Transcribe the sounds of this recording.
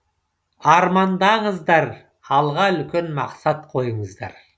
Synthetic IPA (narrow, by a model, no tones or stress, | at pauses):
ɑɾmɑnd̪ɑɴəzd̪ɑɾ | ɑlˠʁɑʏlkʲenmɑqsɑt̪qʰo̞jəɴəzd̪ɑ̰ɾ